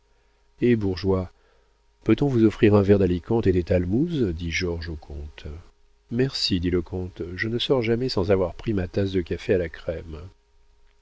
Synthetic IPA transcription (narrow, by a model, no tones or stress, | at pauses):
ebuʁʒwa | pøt̪ɔ̃vuzɔfχiʁɛ̃vɛʁd̪alikɑ̃t̪ed̪et̪almuzd̪iʒɔʁʒokʰɔ̃t̪ | mɛʁsid̪iləkʰɔ̃t̪ʒənəsɔʁʒamɛsɑ̃zavwaʁpχimat̪as̬d̪əkafealakχɛm